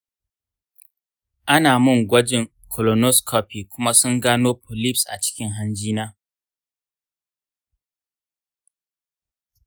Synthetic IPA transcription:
ʔa˦naː˨mʊ˦˨ŋɡʷɐ˦d͡ʒɪ˨ŋ | kʰɔ˨lɔ˨nɔ˦skʰɔ˦˨piː˨kʷʊ˦ma˦sʊ˦ŋɡaː˦noː˦pʊ˨li˦psʔa̰˨t͡ʃɪ̥˦kʲɪ˦ŋɦa˦nd͡ʒiː˦naː˦

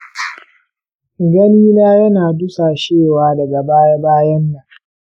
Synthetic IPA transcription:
ɡɐ˦niː˦naː˦jɐ˦naː˨dʊ˦saː˨ʃeː˦˨waː˦dɐ˨ɡa˨baː˦ja˦baː˦jɐ˦nːa˨

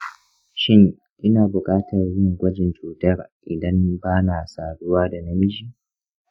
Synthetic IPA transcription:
ʃɪ˦ŋ | ʔɪ˦naː˨bʊ˨kʼaː˦tɐ˨rɲɪ˦˨ŋɡʷɐ˦d͡ʒɪ˨nt͡ʃuː˨tɐ˦rʔɪ˨dɐ˦mbaː˦na˨saː˨ɽʊ˦waː˦da˨nɐ˦mɪ˦d͡ʒiː˦˨

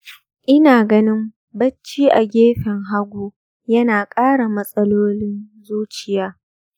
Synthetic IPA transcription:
ʔɪ˦naː˨ɡɐ˦nɪ˦m | bɐ˦t͡ʃːiː˦ʔa˨ɡʲeː˦ɸɪ˨ŋɦa˦ɡʷuː˦ | jɐ˦naː˨kʼaː˦ɽa˨mɐ˦sʼɐ˦loː˦lɪ˦nzuː˦t͡ʃɪ˨jaː˦

